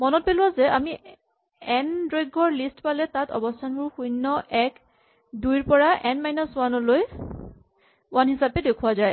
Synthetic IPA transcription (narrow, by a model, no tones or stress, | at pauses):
mɔnɔt̚pelʊwazɛʔami | ɛndɹojɡɔɹlistpalɛtatɔ̰bɔstʰanbʊɹxujnːɔʔɛk | dujɹpɔɹaʔɛnmajnɔswanɔloj | wanɦisapɛdekʰuwazaj